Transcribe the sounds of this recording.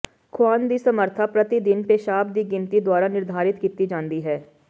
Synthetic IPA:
kʰwaːnd̪iːsəməɾt̪ʰaːpɾət̪id̪ɪnpeʃaːb̚d̪iːɡɪnt̪iːd̪waːɾaːnɪɾd̪ʱaːɾɪt̪kiːt̪iːd͡ʒãːnd̪iːɦɛː

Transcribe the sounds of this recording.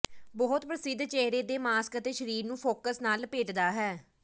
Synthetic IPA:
bɔːʊt̪pɾəsɪd̪t͡ʃeːɦɾeːd̪eːmaːskət̪eːʃəɾiːɾnũːpʰoːkəsnaːlpeːʈd̪aːɦɛː

